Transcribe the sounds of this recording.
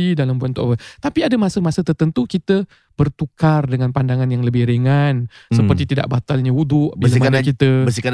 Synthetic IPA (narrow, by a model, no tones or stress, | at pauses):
idalambuant̪ɔ̰wət̪apiadəmasəmasət̪ərt̪ənt̪ukit̪ə | b̥ərt̪ukardəŋanpandaŋanjaŋləbɪhɾeŋansəpərt̪it̪ida̰ʔbat̪alɲaudʊʔbilamaanakit̪əbəsika